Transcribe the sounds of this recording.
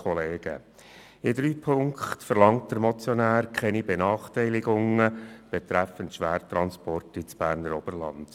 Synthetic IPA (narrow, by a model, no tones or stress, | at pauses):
ɔleːɡ̥ə̰ | ɪdɾyːpʰʊŋkχtfəɾlɑŋtd̥əɾmɔt͡sjɔnæːɾkʰɛnibenɑːχtɛɪlɪɡʊŋəb̥ɛtɾæfəntʃʋæːɾt̪ɾɑnspɔrtɪt͡sb̥æːɾnəɾɔb̥ərlɑ̰nd̥